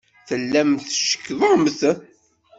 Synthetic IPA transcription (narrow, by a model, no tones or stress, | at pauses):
θəlːæmθʃə̥kːðˤomθə